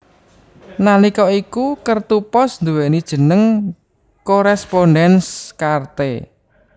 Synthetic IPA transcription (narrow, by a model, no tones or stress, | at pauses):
nalikɔikukərt̪upɔsnd̪uwɛnid̥ʒ̥ə̤nəŋ | koɾɛsponɖɛnskart̪ḛ